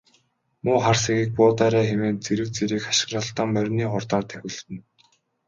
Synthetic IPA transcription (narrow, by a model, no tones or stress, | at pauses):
mʊːχarsiɣiːk̚pʊːt̪æːɾæːxemeːnt͡seɾɘ̆wt͡seɾiːkḁʃɪ̥̆ɣrăːɬt̪aːmːœɾʲniːχʊrt̪aːrt̪ʰæxʲɪ̆ɮt̪ɘ̆n